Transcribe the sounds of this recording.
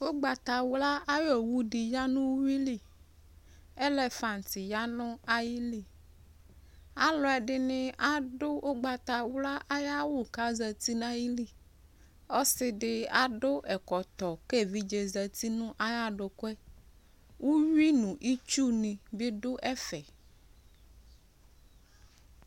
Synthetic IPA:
wo˦ɡ͡ba˨t̪a˨wu˦la˦a˦jɔ˨wu˦ɖi˨ja˦nũ˦wu˦wi˦li˦˨ | e˦lɛ˦fa˨nti˨ja˦nʊ̃˦a˦ji˦li˨ | a˦lɔ˦ɛ˨ɖɪ˦nɪ̃˦ʔa˦ɖo˦ʔo˦ɡ͡ba˨t̪a˨wu˦la˦ʔa˦ja˦wo˦ka˦zə˨t̪i˦nã˦ji˦li˦˨ | o˦sɪ˦ɖɪ˦a˦ɖo˦ʔɛ˨kɔ˨t̪ɔ˨ke˦˨vi˦d͡ʒe˨zə˨t̪i˦nũ˦ʔa˦ja˦ɖo˨kɛ˦ | wu˦ɲu˦i˦nũ˨ʔi˦t͡ʃu˦nĩ˨be˦ɖo˦ʔɛ˦fɛ˨

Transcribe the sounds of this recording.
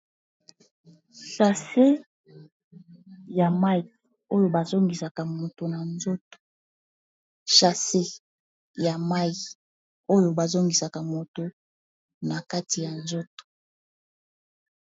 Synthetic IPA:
ʃa˨se˦ | ja˨ma˦ji˨ | o˦jo˨ba˨zo˦ŋɡi˨sa˨ka˨mo˨to˨na˨nzo˦to̥˨ | ʃa˨se˦ | ja˨ma˦i˨ | o˦jo˨ba˨zo˦ŋɡi˨sa˨ka˨mo˨to˨ | na˨ka˦ti˨ja˨nzo˦to̥˨

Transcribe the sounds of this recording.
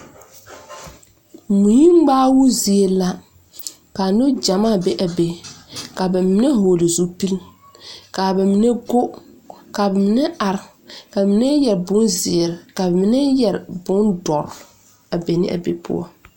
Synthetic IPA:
mu˨ji˦m˦ɡ͡baː˦wu˦zi˨e˨la˦ | ka˨nʊ˦d͡ʒa˨ma˦˨be˦ʔa˨be˨ka˨bɛ˨mi˦ne˦ɦoː˨li˨zu˦pi˦l | ka˨bɛ˨mi˦ne˦ɡo˦ | ka˨bɛ˨mɪ˦nɛ˦ʔa˨ɾɪ˨ | ka˨bmi˦nɛ˦jɛ˨ɾbʊ˦nzɪ˨ɛ˨ɾɪ˨ka˨bɛ˨mɪ˦nɛ˦jɛ˨ɾbʊ˦ndɔ˨ɾ | a˨be˨nɪ̰˦ʔa̰˨bḛ˨pʰʊ̰˦ɔ̰˦

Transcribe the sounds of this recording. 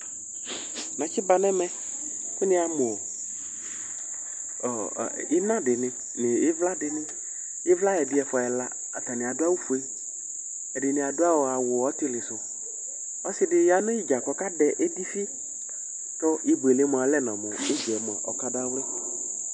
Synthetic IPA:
nã˨t͡ʃɪ˦ba˨nɛ˦mɛ˦ | kʊ˦nɪ̃˦a˨mʊ˨ɔ˨ | ɪ˦nã˦dɪ˨nɪ̃˨ | nɪ˨ɪ˦vla˦dɪ˨nɪ̃˦ | ɪ˦vla˦ɛ˨dɪ˦ɛ˨fɔ˨ɛ˨la̰˦ | a˨ta˨nɪ̃˨a˨dʊ˦a˦wu˦fu˨e˦ | ɛ˨dɪ˨nɪ̃˨a˨dʊ˦a˦wɔ˨a˨wʊ˨ɔ˦tɪ˦lɪ˨sʊ˨ | ɔ˦sɪ˦dɪ˨ja˨nʊ̃˦ɪ˦d͡ʒa˨kɔ˨ka˦dɛ˨ʔe˦di˦fi˦ | t̪ɔ˦ɪ˦be˨le˦mʊ˨a˨lɛ˦nã˨mʊ˨ɪ˦d͡ʒɛ˨mʊ˨a̰˨ʔɔ˨ka˦da˦wlɪ˦

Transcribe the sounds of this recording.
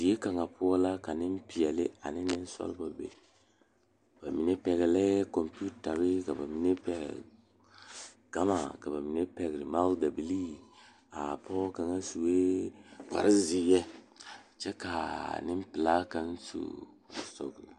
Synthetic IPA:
si˨e˦ka˨ŋa˨pʰʊ˦ɔ˦la˦ka˨nɪ˦m˦pi˨jɛ˨lɪ˦a̰˨nɪ˦nɪ˦n˦sɔ̰˦lba˨bḛ˨ | b̥a˨mi˨ne˦pɛ˨ɡɛ˨lɛ˦kɔ˨mpi˦u˦ta˨ɾɪ˦ka˨ba˨mi˨ne˦pɛ˨ɡ̰ | ɡ̥a˦ma˨ka˨ba˨mi˨ne˦pɛ˨ɡɾɪ˨ma˦lda˨bi˨li˦ | a̰˨pʰɔ˦ka˨ŋa˦su˨we˦ka̰˨ɾɪ˦zi˨jɛ˦ | t͡ʃɛ˦ka˨nɪ˦m˦pɪ˨la˦ka˦n˦sṵ˨ | sɔ̰˨ɡla˨

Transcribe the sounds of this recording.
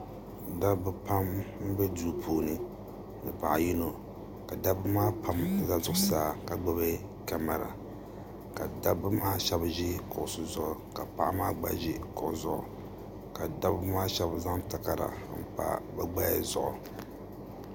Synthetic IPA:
da˦bɨ˦pa˦mm̩˦bɛ˦duː˦pʰuː˦nɨ˨ | nɨ˨pa˨ʔa˨ji˦no˨ | ka˨da˦bɨ˦maː˦pa˨m˦za˦zʊ˨ʔʊ˦saː˨ka˨ɡ͡ba˦βe˦ | ka˨ma˨ɾa̰˨ | ka˨da˦bɨ˦maː˦ʃɛ˦bʒi˦kʊ˨ʔʊ˨sʊ˨zʊ˦ʔʊ˨ka˨pa˦ʔa˦maː˦ɡ͡ba̰˦ʒi˦kʊ˨ʔʊ̰˨zʊ˨ʔʊ̰˨ | ka˨da˦bmaː˦ʃɛ˦bza˦ŋta˨ka˨ɾa̰˨m̩˨pa̰˨ba˦ɡ͡ba˦ja̰˨zʊ̰˦˨ʔʊ̰˨

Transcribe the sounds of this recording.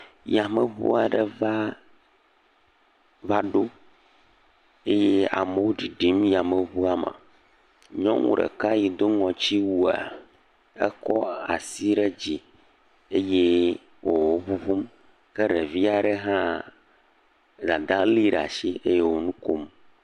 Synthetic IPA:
ja˨mə˨βṵ˦a˨ɖɛ˨va˦ | va˦ɖo˦ | e˦je˦a̰˨me˨wo˦ɖi˨ɖi˨m˦ja˨mə˨βu˦a˦mã̰˨ | ɲɔ̃˦ŋṵ̃˦˨ɖə̰˨ka˦ji˨d̪o˦ŋɔ̃˨t͡ɕi˦wu˦˨a̰˨ | ɛ̰˦kɔ˦a˨si˦ɖe˦d͡ʑi˨ | e˦je˦ | wʔo˨wo˦βu˦vu˦m | ke˦ɖe˨vi˦a˨ɖɛ˦ɦã˦ | d̪a˨d̪a˦li˦ɖa̰˨ʃi˦e˦je˦wo˨nũ˦ko˦m

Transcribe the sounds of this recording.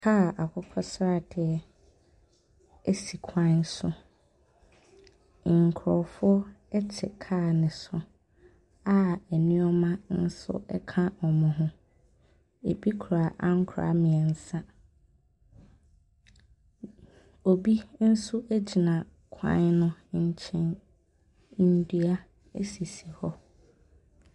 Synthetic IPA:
kʰa˦˨ʔa˨kʰɔ˦kʰɔ˦sɾa˦˨tʰɛ˨ɛ˦ | ɛ˦si˨kʰã˦nsʊ˦˨ | ŋ̩˨kʰʊ˨ɾɔ̰˨fʊ˦ɔ˦ɛ˦t͡ɕʰɛ˨kʰa˦˨nɪ̃˨sʊ˦ | a˦ɛ˨nĩ˦ɔ˦mã˦n̩˦sʊ̰˦ɛ̰˦kʰã˦ɔ˨mʊ̃˨ɦʊ̃˦ | e˨bi˦kʰu˨ɾa˨ʔã˦ŋ̩˦kʰʊ˨ɾa̰˨˦mɪ̃˨ɛ˨n̩˨sã˦ | o˨bi˦n̩˦sʊ˦ʔæ˦d͡ʑi˨nã˨ | kʰã̰˦ɲnʊ̃˦ɲ̩˦t͡ɕʰɛ̃˦n | n̩˦dɥa˦ | e˦si˨si˨hɔ˦

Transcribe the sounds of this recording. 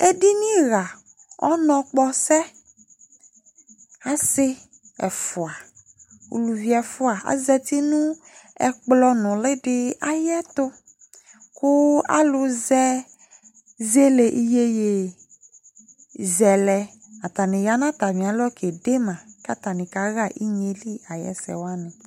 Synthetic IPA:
e˦di˦nĩ˦ɣa˨ | ɔ̰˦nɔ̃˨k͡pɔ˦sɛ˦ | a˨sɪ˦ | ɛ˨fʊ˨a˨ | ṵ˨lu˨vi˦ɛ˨fʊ˦a˨a̰˨zɛ˧t̪i˦nũ˦ | ɛ˨k͡plɔ˧nʊ̃˨lɪ˦ɖɪ˦a˦jɛ˦t̪ʊ˦ | kʊ˦a̰˦lʊ˦zɛ˦ | ze˦le˨ʔi˦je˦je˨ | zɛ˨lɛ˨ | a˨t̪a˨nẽ˨ja˦nã˦t̪a˨mĩ˨a˨˦lɔ˦kʰe˨ɖe˦mã˨ka˦t̪a˨nĩ˨ka˨˦ɣa˦˨ʔi˦ɲe˨li˦a˨jɛ̰˦sɛ̰˨wa˦nɪ̃˨

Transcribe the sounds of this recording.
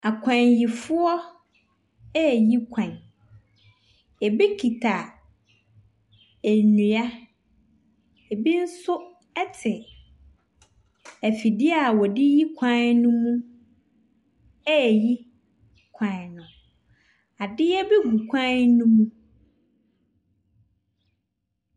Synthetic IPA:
a˨kʷʰã˨nji˨fʊ˦ɔ˦ | ɛ˦˨ji˦kʰã˨n | ɛ˨bi˦kʰi˨tʰa˨ | æ˨nũ˨a˦ | e˨bi˦n̩˦sʊ˦ | ɛ˦tʰɪ˨ | æ˨fi˨dɪ˦a˨wɔ˨dɪ˦ji˦kʷʰã˦nnũ˦mũ˦ | ɛ˦˨ji˦ | kʷʰã˨nʊ̃˨ | a˨dɪ˦ɛ˦be˦ɡu˨kʷʰã˦nũ˦mũ˦

